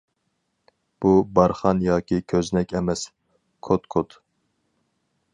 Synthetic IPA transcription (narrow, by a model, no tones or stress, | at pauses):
b̥ubɑɾχɑnjɑːkʲʰikʲʰøznɛkʲɛmɛs | kʰot̪kʰot̪